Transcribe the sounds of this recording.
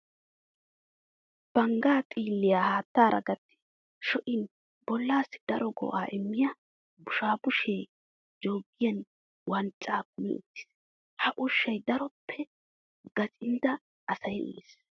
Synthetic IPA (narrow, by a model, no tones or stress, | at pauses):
b̥ɐŋɡaːt̪ʼiːlːɪjaːhaːt̪ːaːɾʔɐ̰ɡɐt̪ːɪ̥ | ʃɔʔɪn | b̥ɔlːaːsːɪ̥d̪̥ɐɾɔɡɔ̰ʔaːʔɪmːɪjɐ | bʊʃaːbʊʃeː | d͡ʒoːɡːɪjɐn | wɐnt͡sʼːaːkʊmɪ̰ʊ̰t̪ːɪ̥s | hɐʔʊʃːɐjd̪ɐɾɔpʰːɛ | ɡ̥ɐt͡ʃʼɪnd̪ɐ | ʔɐsɐjʊ̰ɪs